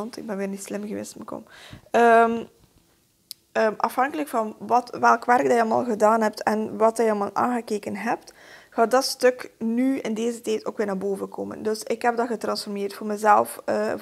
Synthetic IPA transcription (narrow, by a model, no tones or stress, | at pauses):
ntɪ̰ɡ̚bɛnʋɪːrnislɪmɣəʋḛːstməkɔ̰məm | əːmʔɑfɦɑŋkələkfɑnʋɑtʋɛlˠkʋɛrɡ̚dɑjɑlˠma̰ːlˠɣədaːnɦɛp̚tʰɛnʋɑtɛjɑlmaːlˠʔa̰ːnɣəkeːkənɦɛp̚txaːtdɑtstɵknyɪ̰ndeːzətɛːjto̰ːkʋɪːrnaːrboːvəko̰ːmə̰ndɵsɪkɦɛb̚dɑɣətrɑnsfɔrmeːrtfoːrmɛzɛlˠfə